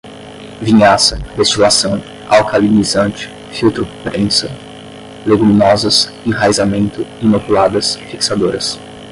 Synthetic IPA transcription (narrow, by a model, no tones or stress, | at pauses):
vĩɲasɐd̪est͡ʃilasɐ̃w̃ | awkalinizɐ̃nt͡ʃɪ̥ | fiwt̪ɾʊpɾẽsɐ | leɡuminɔzɐs | ĩɦajzamẽnt̪ʊinokulad̪ɐsfiksad̪oɾɐs